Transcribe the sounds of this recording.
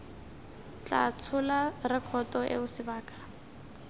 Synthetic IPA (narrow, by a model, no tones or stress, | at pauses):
t͡ɬʼa̰t͡sʰʊlarɪkʰɔtʼɔʔḛʊsɪbaːkʼḁ